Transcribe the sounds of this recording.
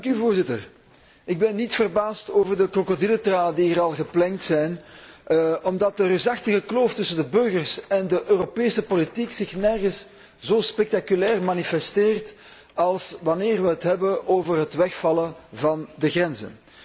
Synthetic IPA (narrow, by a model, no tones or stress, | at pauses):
dŋkyvoːrzɪtər | ɪɡ̚bɛnːitfərbaːstoːvərdəkrokodilətraːnədiəɾɑlˠɣəplɛŋtsɛjn | ɔmdɑt̚ərəzɑxtəɣəkloːftʏsəndəbɵrɣərsɛndəʔøːropeːsəpolitiksɪxnɛrɣəs | zoːspɛk̚takylɛːrmaːnifɛsteːrt | ɑlˠsʋɑneːrʋəɦətɦɛbənʔoːvərɦətʋɛxfɑləvɑndəɣrɛnzə̰n